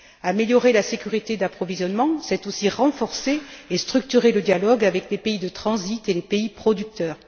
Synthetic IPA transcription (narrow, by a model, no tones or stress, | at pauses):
ameljɔʁelasekʲyʁit̪ed̪apχɔvizjɔnmɑ̃sɛt̪osiʁɑ̃fɔʁseest̪χykt̪yʁeləd̪jalɔɡavɛklepeid̪ət̪χɑ̃zit̪elepeipχɔd̪yk̚t̪œːʁ